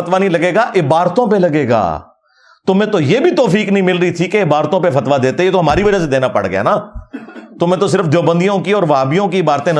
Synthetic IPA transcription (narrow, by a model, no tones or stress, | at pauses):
ɐt̪ʋanɦĩlɐɡeːɡaʔɪbaːɾt̪õpelɐɡeːɡa̰ː | t̪omẽːt̪ojeːbʱit̪ɔːfiːknɐɦĩmɪlɾəit̪ʰikeɪbaːɾt̪õpefɐt̪ʋad̪eːt̪ejet̪oɦɐmaːɾiʋɐd͡ʒas̬ed̪eːnapɐ̰ɽɡɐja̰naː | t̪omẽːt̪os̬ɪɾəfd͡ʒ̪oːbə̃nd̪ijõkiɔːɾʋaːbijõkiɪbaːɾt̪ẽnɐ